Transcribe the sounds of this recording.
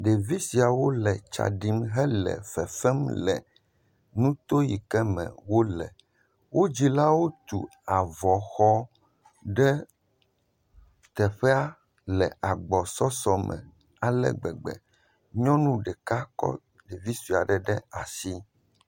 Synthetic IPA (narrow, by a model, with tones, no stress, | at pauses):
ɖe˨vi˦si˨a˨wo˦lɛ˨t͡ʃa̰˨ɖi˦mɦɛ˦lɛ̰˨fɛ˨fɛ˦mlɛ̰˨ | nũ˦t̪o˦ji˨kɛ˦mɛ̰̃˨wo˦lɛ̰˨ | wʔo˦d͡ʑi˦la˦wo˦t̪ṵ˨a˨vɔ˨xɔ˦ | ɖɛ˦ | t̪ɛ˨ɸɛ˦a˦ | lɛ̰˨a˨ɡ͡bɔ˨sɔ˦sɔ˨mɛ̰̃˨ | a˨lɛ̰˨ɡ͡bɛ̰˨ɡ͡bɛ̰˨ | ɲɔ̃˦nũ˦ɖɛ˨ka˦kɔ̰˦ | ɖe˨vi˦si˨a̰˨ɖɛ˨ɖɛ˦a˨si˦